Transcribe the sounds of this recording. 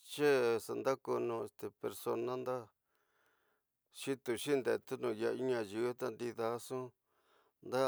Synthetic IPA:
t͡ʃe˦sa˨nd̪a˦ko˧nũ˧˨e˧st̪e˨pe˧ɾso˧nã˦nd̪a˦ | ʃi˦t̪u˧ʃi˦nd̪e˧˨t̪u˦nũ˧ja˧i˦ɲã˧ju˦t̪a˦nd̪i˧ða˧˦sũ˦ | nd̪a˦

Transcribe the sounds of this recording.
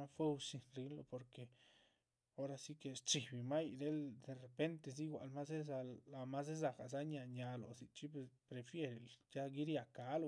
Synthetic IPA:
a˦fe˦wsi˧nɾi˧˦nlo̰˧po˨ɾke˨ | o˦ɾa˧si˦ke˧st͡ʃi˨bi˨ma˦jd̪e˦ld̪e˨re˨pe˦nt̪e˧s̬i˦ɡwʷa̰˨lma˦se˦za˧la˧ma˦s̬e˦z̬a˧ka˨z̬a˦ɲa˧ɲa˧lo̰˨si˨t͡ʃi˦pe˧spɾe˨fje˦ɾe˨lja˦ɡi˦ɾja˨ka˨˦lo˧

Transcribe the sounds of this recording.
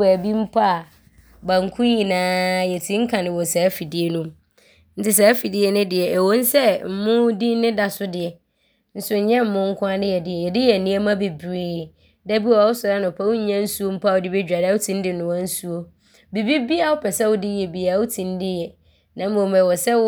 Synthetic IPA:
æ˨bi˦m̩˦pʰa˦˨ | ba˨ŋ̩˨kʰʊ̃˦ji˨nãː˨˦jɛ˨tʰĩ˦ŋ̩˦kʰã˨nɪ̃˨wɔ˨sɛ˨˦fi˨dɪ˦e˨nũ˦m | n̩˦tɪ˦s̬ɛ˨˦fi˨dɪ˦ɛ˦nʊ̃˦dɪ˨ɛ˨ʔɛ˨wo˦n̩˦sɛ˦m̩˨mʊ̃˦di˦nɪ̃˦da˨sʊ˦dɪ˨ɛ˨ | n̩˦sʊ˦ɲ̩˨ɲɛ̃˦m̩˨mʊ̃˦ŋ̩˦kʰʊ̃˦a˦dɪ˦jɛ˨dɪ˨ɛ˨jɛ˨dɪ˦jɛ˨nĩ˦ɛ˦mã˦be˨bɾeː˨ | dɛ˦bi˦a˨a˨wʊ˦sʊ˨ɾa˦nʊ̃˨pʰa˦wʊ˦ɲ˦ɲã˦n̩˦su˦o˦m̩˦pʰa˦˨wʊ˦dɪ˦be˦d͡ʑᶣa˨da˨˦wʊ˦tʰĩ˦n̩˦dɪ˦nʊ̃˨wã˦n̩˦su˦o˦ | bi˨bi˦bi˦a˨wʊ˦pʰɛ˨sɛ˦wʊ˦dɪ˦jɛ˨bi˨a˨wʊ˦tʰĩ˨n˦dɪ˦jɛ˨ | nã˨m˦õ˨m˨ɛ˨wɔ˨sɛ˦

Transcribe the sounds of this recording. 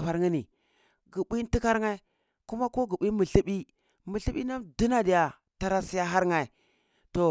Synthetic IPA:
ɸa˨ɾŋi˦ni˨ | ɡi˨ɓi˦n˦ti˦ka˦ɾŋa˦i˦ | ku˦ma˦ko˦ɡi˨ɓi˦mi˨ɬi˦ɓi˦ | mi˨ɬi˦ɓi˦na˦du˦na˦di˨ja˨ | ta˦ɾa˦si˦ja˦ɦa˦ɾŋa˨i˨ | to˨

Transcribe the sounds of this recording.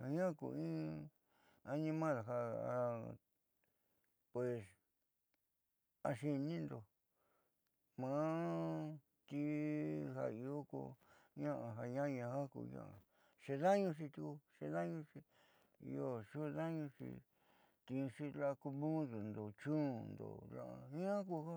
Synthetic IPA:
ha˨ɲã˦˧kṵ˧˨ĩ˦ | a˧nĩ˧mã˦ða˨ɦa˧a˧ | pwe˨s | a˧ʃi˧nĩ˦nd̪o˨ | mã˨˧˦ | t̪i˧ha̰˧i˧o˦kṵ˧ɲã˦ʔa˧ɦa˧ɲã˦˧ɲã˧ha˦kṵ˧ɲã̰˦˧ʔã˧ | ʂe˧ða˦ɲũ˧ʂ̬i˧t̪i˧ku˧ʂe˧ða˦ɲũ˧ʂi˧ | ḭ˧o˧ʂu˦˧ða˦ɲũ˧ʂḭ˧ | t̪ĩ˧ʂi˦la˦˧ku˧mũ˦ðu˨nd̪o˨t͡ʃũː˦nd̪o̰˨lã̰˦˧a˧ɲã˦ku˧ha˦

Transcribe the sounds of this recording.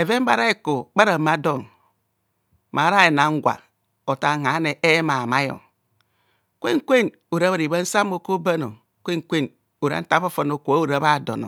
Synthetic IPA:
e˨ve˦m˦ba˨ɾa˦e˦ko˨k͡pa˦ɾa˨ma˦do˦˨ŋ | ma˨˦ɾa˦e˨na˨ŋ̩˦ɡʷa̰˨ | o˨ta˨ŋa˨˦ne˨ʔe˦ma˨ma˦jo̰˨ | kʷḛ˦ŋ˦kʷe˦˨n | o˨ɾa˦a˨ɾi˨βa˦n̩˦sa˦mo˦ko˦ba˦no̰˨ | kʷe˦ŋ˦kʷe˦n | o˨ɾa̰˦n̩˦ta˦fo˦fo˨no˨kʷo˨a˦o˨ɾa˦βa˦˨do̰˨no̰˨

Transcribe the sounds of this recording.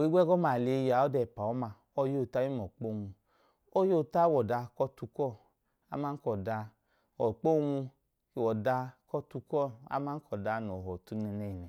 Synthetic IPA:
o˨i˦ɡʷɛ˦ɡɔ˦ma˨le˨˧ja˨ɔ˦dɛ˧˨pa˨ɔ˦ma˧ | ɔ˧˦jo˦˨ta˦i˦m˨ɔ˨k͡po˦˨ŋu˧ | ɔ˦jo˦˨ta˦wɔ˨da˧kɔ˦tu˧kɔ˦˨ | a˦ma˦kɔ˨da˧ | ɔ˨k͡po˦˨ŋu˧ | i˨wɔ˨da˧˦kɔ˦tu˧kɔ˦˨a̰˦ma˦n̩˦kɔ˨da˧n˨ɔ˨ɦɔ˨tu˧˦nɛ˧nɛ˨i˨nɛ˨

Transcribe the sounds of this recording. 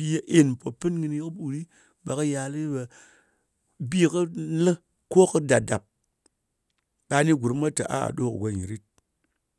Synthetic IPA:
i˦je˦ʔe˦˨n˨po˨pɨ˦nŋɨ˧n˦ji˦kɨ˦ɓu˨ɾi˦ | ɓa˨kɨ˦ja˨˧lɨ˦ba˧ | bi˦kɨ˦lɨ˦ | ko˦kɨ˦da˨da˨p̚ | ɓa˧˦ni˦ɡʷu˨ɾma˦ta̰˨ʔa̰˦a̰˨ɗo˦kɡʷa˨˧ɲi˨ɾi˦t̚

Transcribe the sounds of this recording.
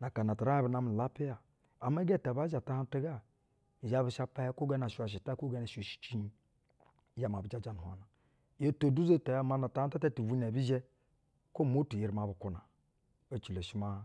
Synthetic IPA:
na˨ka˨na˨ta˨ɾa˦bi˨na˨m˨la˦pi˦ja˨ | a˨m˦e˦ɡe˦˨ta˨ba˦d͡ʒa˨ta˦ha˦n˦ta˦ɡa˦ | i˨d͡ʒa˦bi˨ʃa˦pa˦hɛ˦ko˦ɡa˦na˨ʃa˨ʃ̬i˨ta˦ko˦ɡa˦na˨ʃo˨ʃi̥˨t͡ʃi˦ni˨ | d͡ʒa˨ma˨bi˨d͡ʒa˦d͡ʒa˨nu˨a̰˨na˨ | jo˦to˨du˦zo˦˨ta˨ja˨˦ma˦na˨ta˨˦a˦ta˦ta˦tu˨vu˦ne˨bi˦ʒe˦ | ko˦˨mo˦tu˨ji˨ɾma˨bu˨ku˨na˨ | o˨t͡ʃi˨le˨ʃi˦ma˦

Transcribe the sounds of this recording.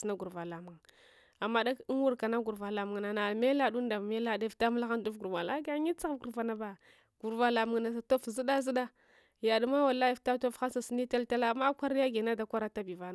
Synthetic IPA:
sna˦ɡu˨ɾva˨la˨mu˨ŋ | a˨mːa˦da˦knwu˦ɾka˨na˦ɡu˨ɾva˨la˨mu˨ŋ˨na˨na˨lme˦la˦du˦n˦da˨me˦la˦da˦˨fta˦ma˦la˦xa˦ndu˦fɡu˨ɾma˨la˦ɡa˦ɲi˦t͡sa˦ɣa˦ɡu˨ɾva˨na˦ba˨ | ɡ̥u˨ɾva˦la˨mu˨ŋ˨na˨sa˨to˦fzi˦da˦zi˦da˦ | ja˨du˦ma˦wa˨la˦ji˨fta˦to˦fxa˦sa˨si˦ni˦ta˦lta˦la˦˨ma˦kʷa˦ɾja˦ɡe˨na˦da˦kʷa˦ɾa˦ta˦bi˨va˦n˨

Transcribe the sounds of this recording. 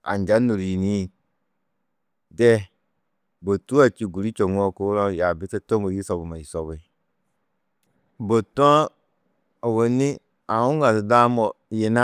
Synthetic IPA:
a̰˨n˨d͡ʒa˦no˨ɾi˨ni˦˨ | dɛ˦ | bo˨tu˦a˨t͡ʃi˨ɡu˨ɾi˦t͡ʃo˨ŋu˦ɔ˦ku˦ɾa˦˨ja˨bi˦tɛ˦to˦bo˨ji˦sɔ˨bu˨ma˨i˨sɔ˨βe˨ | bo˨tɔ˦a˦ | o˨wo˨ni˦ | a˨ũ˦ŋa˨tda˦mɔ˨je˨na˦

